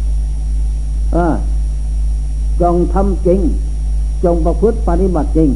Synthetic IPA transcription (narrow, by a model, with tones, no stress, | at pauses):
ʔaː˧˩ | t͡ɕɔ˧˨ŋt̪ʰa˧˥mke˧˦ŋ | t͡ɕɔ˨˧˨ŋpa˧pʰɯ˦˥t̪̚pa˧t̪i˧ba˨˩t̪̚ke˨˧˩ŋ